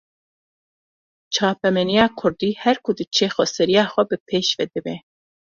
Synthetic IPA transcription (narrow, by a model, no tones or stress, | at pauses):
t͡ʃʰɑːpɛmɛnijaːkʰʊɾd̪iːhɛɾkʰʊd̪ɨt͡ʃʰeːxʷɔsɛɾijaːxʷɛbɨpʰeːʃvɛd̪ɨbɛ